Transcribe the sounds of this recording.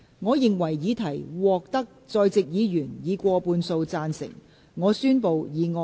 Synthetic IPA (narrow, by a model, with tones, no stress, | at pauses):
ŋɔː˨˧jɪ˨ŋwɐ˨˩jjiː˨˧˥t̪ʰɐ˨˩jwɔː˨k̚t̪ɐ˥k̚t͡sɔː˧jt͡sɪ˨k̚jiː˨˧jyː˨˩njiː˨˧kʷɔː˧puː˧nso˧wt͡saː˧nsɪ̰˨˩ŋ | ŋɔː˨˧syː˥npo˨˧wjiː˨˧ŋɔː˨˧